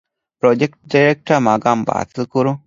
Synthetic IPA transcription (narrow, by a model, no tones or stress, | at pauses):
pɾod͡ʒek̚ʈ̚ɖaɾek̚ʈamaɡamba̰ːt̪əkuɾu